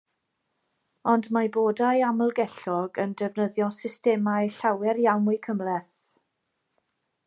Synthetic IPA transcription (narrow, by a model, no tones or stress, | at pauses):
ɔndmaboːdajaməlˠɡɛɬɔɡəndɛvnəðjɔsɪstɛmajɬawɛɾjawnʊjkʰəmlɛθ